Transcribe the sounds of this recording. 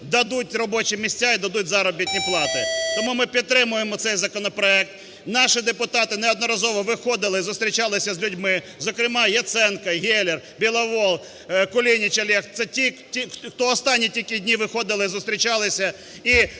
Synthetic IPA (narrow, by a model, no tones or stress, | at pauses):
d̪ɐd̪utʲrɔbɔt͡ʃimʲisʲtʲaid̪ɐd̪utʲzɑɾɔbʲitʲnʲiplˠɑt̪ɪt̪ɔmumɪpʲid̪̚t̪ːɾɪmʊjemɔt̪sɛjzɐkɔnɔpɾɔɛk̚t̪ | nɑʃɪd̪epʊt̪ɑt̪ɪnɛɔd̪nɔɾɐzɔʋɔʋɪxɔd̪ɪlˠɪzʊst̪ʲɾʲit͡ʃɑlˠɪsʲɐzʲlʲʊdʲmɪ | zɔkɾɪmɑjɐt̪sɛnkɐɦʲɛlʲer | bʲilˠɐʋɔlˠ | kʊlʲinʲit͡ʃɐlʲɛxt̪sɛtʲitʲixt̪ɔɔst̪ɑnʲːitʲilʲkɪdʲnʲiʋɪxɔd̪ɪlˠɪzʊst̪ʲɾʲit͡ʃɑlˠɪsʲɐ | i